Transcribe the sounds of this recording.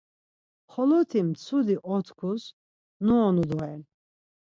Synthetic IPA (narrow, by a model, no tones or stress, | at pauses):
χɔlɔt̪ʰimt͡sʰud̪iʔɔt̪ʰkʰus | nuɔnud̪ɔɛn